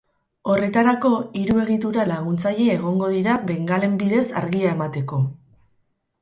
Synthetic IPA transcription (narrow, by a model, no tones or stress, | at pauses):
o̞re̞t̪aɾako̞iɾue̞ɣit̪uɾalaɣunt͡saʎe̞ːɣ̞o̞ŋɡo̞ð̞iɾaβe̞ŋɡale̞mbiðe̞sa̰ɾɣiae̞mat̪e̞ko̞